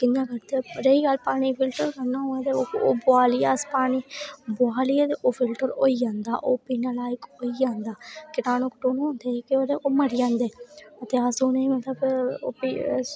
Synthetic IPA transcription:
kɪnãːkəɾd̪eɾeiːɡəlpaːɽ̃iːpʰɪlʈəɾkəɾnãːõːɛ̃ːt̪eoo̰ːbʊaːliːaːspaːñiːbʊaːliet̪eʔoːpʰɪlʈəɾo̰ːiːd͡ʒãːnd̪a̰ːʔoːpiːnaːlaːɪkoːiːd͡ʒãːnd̪aːkɪnaːnõːkʈoːnɦõːnd̪eːkɪoːɾeʔoːməɾɪjãːnd̪eːət̪eːəsoːnẽmət̪ləbo̰ːpi

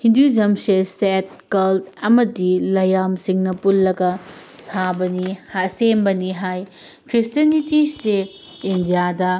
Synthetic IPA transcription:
hindud͡ʒɐmseset̚kɐltɐmɐdilɐjamsiŋnɐpulːɐɡɐsabɐnihasenbɐniɦaj | kɾistiɐnitise | indijadɐ

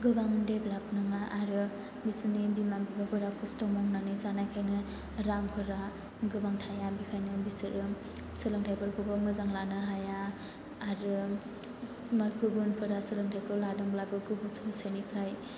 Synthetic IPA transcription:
ɡɯbaŋndeblap̚nɯŋaʔaɾɯ | bisɯnibimabibapʰɯɾakʰustɔmɔŋnanizanajkʰajnɯ | ɾampʰɯɾa | ɡɯbaŋtʰajabikʰajnɯbisɯɾɯ | sɯlɯŋtʰajbɯɾkʰɯbamɯzaŋlanɯɦajaː | ɾɯ | mɡɯbunpʰɯɾasɯlɯŋtʰajkʰɯladɯŋblabɯɡɯbusʰusenipʰlaj

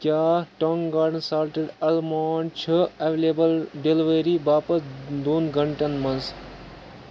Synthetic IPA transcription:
kjaːʈɔŋɡaːɖnsaːɾʈeɖɐlmaːɳt͡ʃʰəɐʋeleːbəlɖelʋeɾibaːpɐsd̪oːnɡʱɐɳʈɐnmɐns

